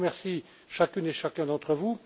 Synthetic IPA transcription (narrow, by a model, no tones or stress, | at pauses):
mɛʁsi | ʃakʲyneʃakʲɛ̃d̪ɑ̃t̪χəvu